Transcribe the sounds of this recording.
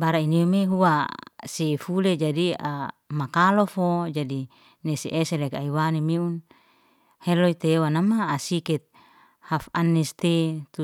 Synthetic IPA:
baɾainiomeɦuwasefuled͡ʒadia̰makalofod͡ʒadi | neseʔeselekaiwanimiun | heloit̪ewanamaːsikɛt̪̚ | hafanːɛst̪et̪u

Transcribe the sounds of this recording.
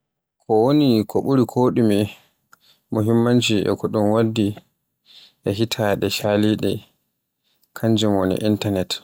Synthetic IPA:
kʰɔwonikʰɔɓuɾikʰoːɗumi | muɦimːand͡ʒiʔɛ̰kɔɗunwadːi | ʔɛɦitʰaɗɛʃaliɗɛ | kʰaɲd͡ʒumwonḭʔintanɛt

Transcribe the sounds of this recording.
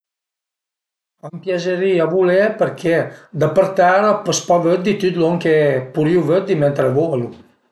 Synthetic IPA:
ampjazəɾiavulepəɾkʰed̪əpəɾt̪aɾəpəspɔvøt̪̚d̪it̪yt̪loŋkepuɾiuvøt̪̚d̪iment̪ɾəvolu

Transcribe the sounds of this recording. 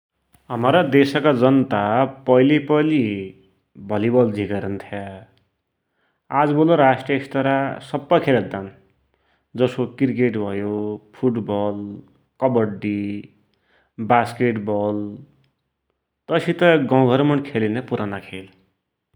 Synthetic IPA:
ɦʌmaɾʌd̪esʌkad͡zʌnt̪apʌjlipʌli | bʱʌlibʌld͡zʱikʌɾʌnt̪ʰja | ad͡zboloɾasʈijʌest̪ʌɾasʌbːʌkʰelʌt̪d̪an | d͡zʌskokirkeʈbʱʌjopʰuʈbʌl | kʌbʌɖi | baskeʈbʌl | t̪ʌsit̪ʌɡʌ̃w̃ɡʱʌɾmʌɳkʰelinʌpuɾanakʰel

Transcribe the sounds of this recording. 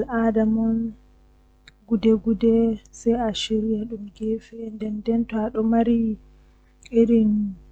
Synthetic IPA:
alʔadamɔn | ɡudɛɡudɛsɛjaʃiɾjaɗumɡefɛndɛndɛntɔaɗɔmaɾi | iɾin

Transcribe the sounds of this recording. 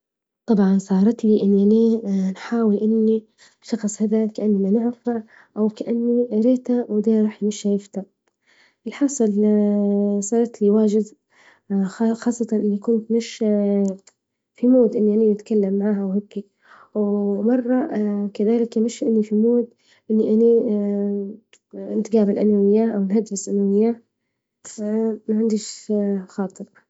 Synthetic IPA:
t̪ˤɑbʕɑnsˤɑːɾˤɑt̪liʔɪnːiʔaniːnħaːwɪlʔɪnːi | ʃɑxsˤhad̪akaʔanːimanɪʕfa | ʔawkaʔanːiɾeːt̪awd̪aːɾˤɑːħjmɪʃːajɪft̪a | ʔɪlħɑsˤɨl | sˤɑːɾˤɑt̪liwaːʒɪd̪ | xɑːsˤːɑt̪ɑnʔɪnːikʊnt̪mɪʃ | fimoːd̪ʔɪnːiʔaninɪt̪kalːamːʕaːhawheːkːi | wmɑrˤːɑkaðaːlɪkjɪmɪʃːʔɪnːifimoːt̪ | ʔɪnːiʔani | ɪnt̪ɪɡaːbɪlʔa̰nawɪjːaʔawnɦad̪fɪsʔanawɪjːa | maʕand̪iʃxɑːt̪ˤɨɾ

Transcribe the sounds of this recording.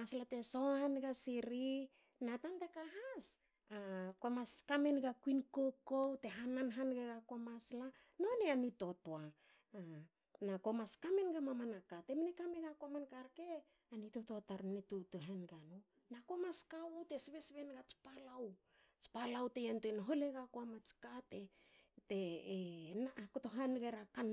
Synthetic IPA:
aslate̞so̞anɡasiɾi | natantekaɦas | ako̞maskame̞nɡakwinkokote̞ɦananɦanɡeɡako̞masla | no̞neanito̞toa | nako̞maskame̞nɡamamanakate̞mnekameɡako̞mankaɾke | anitototaɾnetutuɦanɡano | nako̞maskawute̞sβe̞sβenɡat͡ʃi̥palaw | t͡ʃi̥palawtejantuenoɦo̞leɡakoamat͡ʃkate | te | nakotoɦanɡe̞ɾakan

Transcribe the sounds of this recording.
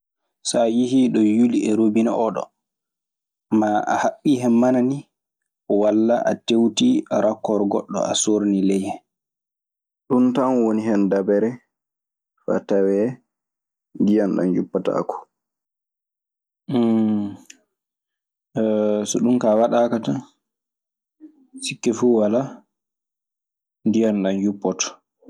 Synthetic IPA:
sajiɦiɗɔjuliɛɾobinaʔɔɗɔ̰ | maʔa̰haɓːihɛmːanani | ɔwalːaʔa̰tewtiaɾakːɔɾɡɔ̰ɗːɔ̰asoɾnilɛjhɛn | ɗuntanwoniɦɛndabɛɾɛ | fa̰tawɛ | ndijanɗa̰njupːata̰kʰɔ̥ | sɔɗumkawaɗakata | sikːɛfuwala | ndijanɗanjupːɔtɔ̥

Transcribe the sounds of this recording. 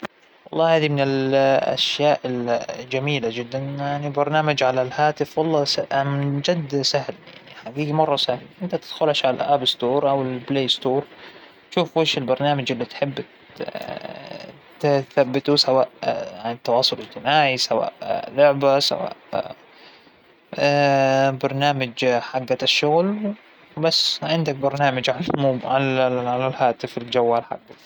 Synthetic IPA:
wɑlˤːɑːhaːd̪imɪnɪlʔa̰ʃjaːʔɪld͡ʒamiːlad͡ʒɪd̪ːanjaʕnibɑɾˤnaːmad͡ʒʕalalhaːt̪ɪfwɑlˤːɑːsamd͡ʒad̪sahlja̰ʕniħaɡiːɡmɑrˤːɑsahlʔɪnt̪at̪ɪd̪̥xʊlaʃʕala̰ʔabɪst̪oːɾˤʔawɪlbleːst̪oːɾˤ | ʃuːfweːʃɪlbɑɾˤnaːmad͡ʒʔɪlːit̪ħɪbː | t̪θabːɪt̪usawaːʔjant̪ːɑwɑːsˤʊlɪd͡ʒt̪ɪmaːʕisawa̰ːʔlʊʕbasa̰wa̰ːʔ | bɑɾˤnaːmad͡ʒħaɡːaʃːʊɣlw | basːʕɪnd̪ak̚bɑɾˤnaːmad͡ʒʕalamuːbʕalʕalalhaːt̪ɪfɪld͡ʒawːaːlħa̰ɡːa

